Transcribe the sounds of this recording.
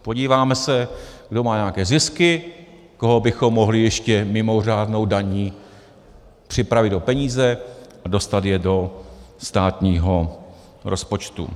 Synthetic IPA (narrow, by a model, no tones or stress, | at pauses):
po̞ɟiːvaːmɛsɛɡdo̞maːɲɛjakɛːzɪskɪ | ko̞ɦo̞bɪxo̞mːo̞ɦlɪjɛʃcɛmɪmo̞r̝aːdno̞wdaɲiː | pr̥ɪpɾavɪdo̞pɛɲiːzɛʔado̞st̪at̪jɛdo̞st̪aːt̪ɲiːɦo̞ | ɾʔo̞spo̞t͡ʃt̪ṵ